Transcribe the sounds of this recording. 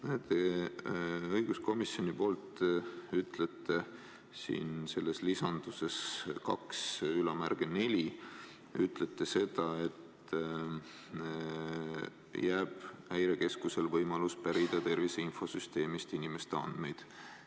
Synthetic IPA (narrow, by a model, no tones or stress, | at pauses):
net̪e | ɤjɡ̥usko̞misjo̞nipo̞ːlt̪yt̪ˑlet̪ˑːe̞ | sḭːnse̞lːe̞slisɑnd̪̥use̞skɑksylɑmærɡ̥ene̞lʲi | yt̪ˑlet̪ːe̞se̞d̪̥ɑe̞t̪ | jæːb̥æjɾe̞ke̞skuse̞lvɤjmɑluspæɾid̪̥ɑt̪e̞rviseinfo̞syst̪e̞ːmist̪inime̞st̪eɑ̰nd̪̥me̞jd̪̥